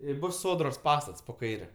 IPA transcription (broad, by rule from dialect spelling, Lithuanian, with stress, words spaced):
ɪ ˈbʊs ˈsoːdroːs ˈpɑːstɐts poː ˈkɐɪrʲɛ